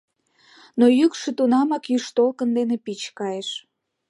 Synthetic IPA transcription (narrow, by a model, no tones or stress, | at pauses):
nojykʃĕt̪unɑmɑkjyʃt̪olkənd̪enepit͡ɕkɑjeʃ